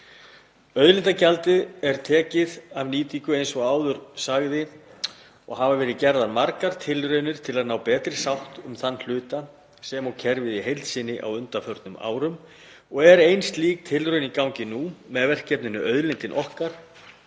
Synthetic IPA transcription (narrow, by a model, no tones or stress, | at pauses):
œðlɪnt̪acalt̪ɪðɛɾt̪ʰɛːcɪðavniːt̪ikʏejnsɔɣaːwðʏɾ̥saɣðɪ | ɔɣhavavɛːɾɪcɛɾðaɾmaɾkaɾ̥t̪ʰɪlɾœɥnʏɾ̥t̪ʰɪlaðnaːwpɛːt̪ɾɪsawht̪ʏmθanːl̥ʏːt̪a | sɛmɔɣcʰɛɾvɪðiɦejlt̪sɪnːɪʔa̰wʏnt̪afœɾt̪nʏma̰ːwɾʏm | ɔɣɛɾejnst̪liːk̚t̪ʰɪlrœɥnikawŋcɪnumɛðvɛr̥kcːɛpnʏnʏʔœðlɪnt̪ɪnʔɔhkaɾ̥